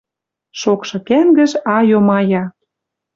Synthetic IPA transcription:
ʃokʃɤ̆kæmɡə̆ʒɑjomɑjɑ

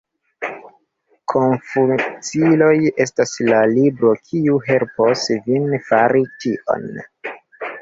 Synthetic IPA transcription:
kʰo̞nfut͡silo̞je̞staslalibɾo̞kʰiuɦe̞lposvinfaɾitiʔo̞̰n

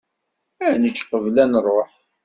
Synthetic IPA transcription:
ænət͡ʃːqəvlænrˤːoħ

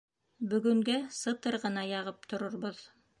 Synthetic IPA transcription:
bɵ̆ɡɵ̆ŋɡæsɤ̆t̪ɤɾʁɤ̆nɑjɑʁɤp̚t̪ʰŏɾŏɾβoð

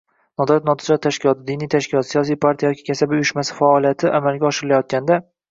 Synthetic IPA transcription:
nɒd̪ɒɾat̪̚nɒt̪ʰɪd͡ʒɒt̪ːʰaʃkʲɪlɒt̪ɪd̪ɪnijt̪ʰaʃkʲɪlɒt̪sijɒsijpʰaɾt̪ʰijajɒkʲʰi̥kʲʰasabɪʊjʊʃmasɪ̥faːlijat̪ʰɪʔamalɡʲaɒʃɪɾɪlajɒt̪̚kʲand̪a

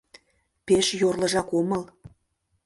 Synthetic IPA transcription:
peʃjorlɤ̆ʒɑkomɤ̆l

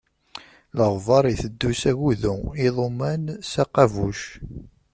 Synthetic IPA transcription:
ləʁvɑɾˤiθəd̪ːusæʝuðuiðˤomænsæqɑvuʃ

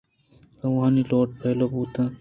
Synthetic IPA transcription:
oʋãːniːloːʈ̚pʰeːloːbuːt̪ãː

